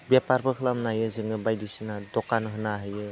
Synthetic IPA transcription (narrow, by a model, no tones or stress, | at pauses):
bjapaɾbɯkʰɯlamnajɯzɯŋɯbajdisinadɔkanɦɯnaɦɯjɯ